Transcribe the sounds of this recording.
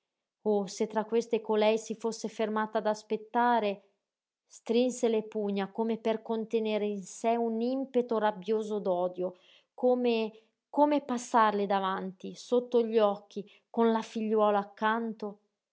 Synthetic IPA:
oset̪ːɾakːwest̪ekolɛjsifosːefermaːt̪ad̪aspet̪ːaːɾe | st̪ɾinselepuɲːakomeperkont̪eneːɾeinsɛunimpet̪orabjoːzod̪ɔːd̪jo | koːme | koːmepasːarled̪avant̪isot̪ːoʎɔkːi | konlafiʎːwɔːlaːkːant̪o

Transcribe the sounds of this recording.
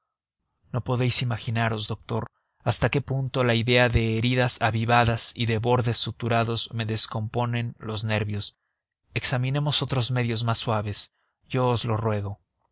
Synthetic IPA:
no̞po̞ðe̞jsimaxinaɾo̞zðo̞k̚t̪o̞ɾ | ast̪ake̞punt̪o̞laiðe̞aðe̞ːɾiðasaβiβaðasiðe̞βo̞ɾðe̞sut̪uɾaðo̞zme̞ðe̞sko̞mpo̞nẽ̞nlo̞zne̞ɾβjo̞s | e̞ksamĩne̞mo̞so̞t̪ɾo̞zme̞ðjo̞zmasːwaβe̞s | ʝo̞ːzlo̞rwe̞ɣ̞o̞

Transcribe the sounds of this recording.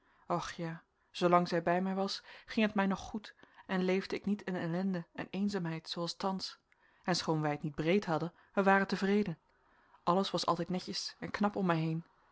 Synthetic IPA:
ɔχjaː | z̥owlɑŋzɛjbɛjmɛjʋɑsχɪŋɦətmɛjnɔχːutʔɛnlejvdəɪknitɪnɛlɛndəɛnejnzaːmɦɛjtsowɑlˠstɑns | ɛnsχownʋɛjətnid̚brejtɦɑdən | ʋəʋaːrətəvrejdən | ʔɑləsʋɑsɑ̰lˠtɛjtnɛcəsɛnknɑpɔmɛjɦejn

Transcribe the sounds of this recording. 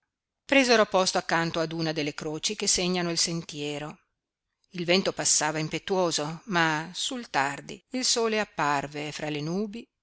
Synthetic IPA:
pɾezeɾopɔst̪oakːant̪oad̪uːnad̪elːekɾoːt͡ʃikeseɲːanoilsent̪jɛːɾo | ilvɛnt̪opasːaːvaimpet̪ːuoːzomasult̪ard̪ḭilsoːleapːarvefɾalenuːbi

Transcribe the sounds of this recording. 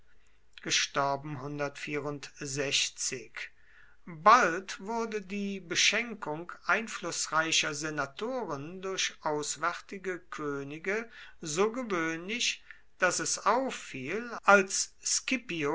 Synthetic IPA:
ɡ̥əʃtɔɐbm̩ɦʊndɐtfiːɐʁʊntzɛʃt͡sɪk | baltv̥ʊɐdədiːbəʃɛŋkʊŋkʔaɪnflʊsʁaɪʃɐzenatʰoːʁəndʊɐʃʔaʊsv̥ɛʁtɪɡəkʰøːnɪɡəzoːɡəvøːnlɪç | d̥asɛsaʊfːiːlʔalsːkɪpio

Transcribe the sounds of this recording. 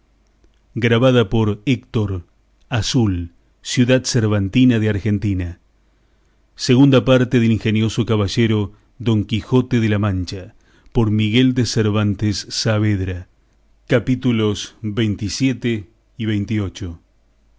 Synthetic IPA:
ɡɾaβaðapo̞ɾek̚t̪oɾ | asul | sjuðaðseɾβant̪inaðeaɾxent̪ina | seɣund̪apaɾt̪eðeliŋxenjo̞so̞kaβaʒeɾo | ðo̞ŋkixo̞t̪eðelamãnt͡ʃa | poɾmiɣeld̪eseɾβant̪esːaβeðɾa | kapit̪ulo̞sβejnt̪isjet̪e | iβejnt̪io̞t͡ʃo

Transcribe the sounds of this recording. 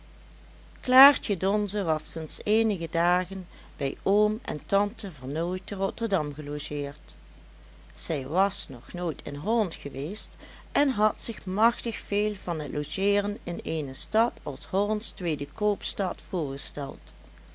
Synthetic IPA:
klaːɹtədɔnzəʋɑsɪnseːnəɣədaːɣən | bɛjoːmɛ̰ntɑntəvəɹnoːjtərɔtəɹdɑmɣəloʒɪːɹt | z̥ɛjʋɑsnɔχnoːjtʰɪ̰nɦɔlɑntχəʋeːst | ʔɛnɦɑtsɪxmɑxtəxfeːlˠvɑnɦətlʔoʒeːrənɪnejnəstɑtɑ̰lˠshɔɹnstʋeːdəkoːpstɑtfʊːɹɣəstɛ̰lˠt

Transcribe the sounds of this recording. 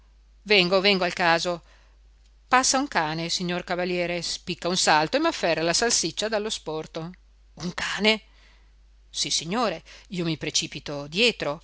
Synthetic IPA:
vɛŋɡovɛŋɡoalkaːzo | pasːauŋkaːnesiɲːorkavaljɛːɾespikːaunsalt̪oemafːɛrːalasalsit͡ʃːad̪alːospɔrt̪o | uŋkaːne | sisːiɲːoːɾeiːomipɾet͡ʃiːpit̪od̪jɛːt̪ɾo

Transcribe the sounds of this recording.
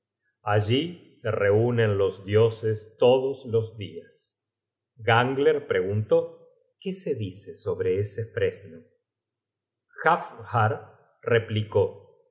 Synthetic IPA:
aʒisereunẽnlo̞zd̪jo̞sest̪o̞ðoslozðias | ɣaŋɡleɾpɾe̞ɣunt̪o̞ | kese̞ðiseso̞βɾe̞esefɾezno | xafhaɾ | repliko

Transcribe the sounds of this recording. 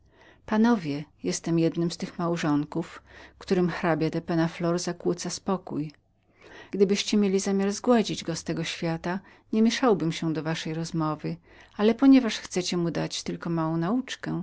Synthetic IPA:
panɔvʲjɛjɛst̪ɛmjɛd̪nɘmst̪ɘxmawʐɔŋkufkt̪uɾɘmxɾabʲjad̪ɛpɛnaflɔɾzakwut̪saspɔkuj | ɡ̥d̪ɘbɘɕt͡ɕɛmʲjelʲizamʲjaɾzɡwad͡ʑid͡ʑɡɔst̪ɛɡɔɕfʲjat̪a | ɲɛmʲjɛʂawbɘmɕɛd̪ɔvaʂɛjɾɔzmɔvɘ | alɛpɔɲɛvaʂxt̪sɛt͡ɕɛmud̪at͡ɕt̪ɘlkɔmawɔ̃w̃naut͡ʂkɛ

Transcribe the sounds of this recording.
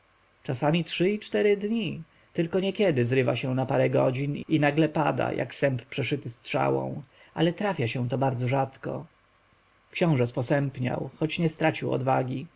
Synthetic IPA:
t͡ʂasamʲitʂɘit͡ʂt̪ɛɾɘd̪ɲi | t̪ɘlkɔɲɛkʲjɛd̪ɘzɾɘva̰ɕɛw̃napaɾɛɡɔd͡ʑininaɡlɛpa̰d̪a̰jʔa̰ksɛmpːʂɛʂɘt̪ɘst̪ʂa̰wɔ̰̃w̃ | alɛt̪ɾafʲjaɕɛ̃t̪ɔbaɾd̪zɔʐat̪kɔ̰ | kɕɔ̃w̃ʐɛspɔsɛmpɲa̰wxɔt͡ɕɲɛst̪ɾat͡ɕiwɔ̰d̪vaɡʲi

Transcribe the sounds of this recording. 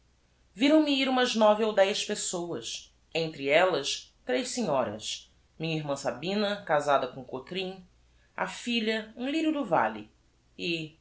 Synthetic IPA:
viɾɐ̃w̃miiɾũmɐznɔviowd̪ɛjspesowɐs | ẽnt̪ɾɪɛlɐst̪ɾejʃsiɲɔɾɐ̰s | mĩɲɐiɾmɐ̃sabĩnɐkazad̪ɐkõʊkot̪ɾĩ | a̰fiʎɐũliɾʊd̪ʊva̰lḭ | ɪ

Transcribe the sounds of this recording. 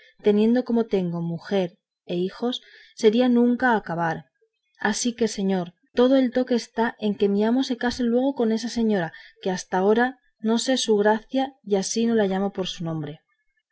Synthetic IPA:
t̪e̞nje̞nd̪o̞ko̞mo̞t̪e̞ŋɡo̞muxe̞ɾ | e̞ixo̞sː | e̞ɾianũŋkaːkaβ̞aɾ | asike̞se̞ɲo̞ɾ | t̪o̞ð̞o̞e̞lt̪o̞keːst̪aʔe̞ŋke̞miamo̞se̞kase̞lwe̞ɣ̞o̞ko̞ne̞sase̞ɲo̞ɾake̞ast̪ao̞ɾa | no̞se̞suɣɾaθjajasino̞laʎamo̞poɾsunõ̞mbɾe̞

